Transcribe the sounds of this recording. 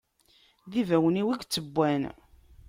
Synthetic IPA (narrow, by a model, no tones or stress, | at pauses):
ðivæwəniwiɡt͡sːəbʷːæn